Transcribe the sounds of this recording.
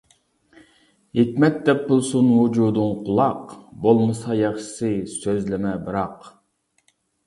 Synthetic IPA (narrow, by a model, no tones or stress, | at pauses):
hikʲmɛt̪̚d̪ɛp̚bulˠsunwud͡ʒud̪uŋqʰʊlˠɑqbolˠmɨsɑjɑχʃɪ̥sɨsøzlɪmɛbɨɾɑq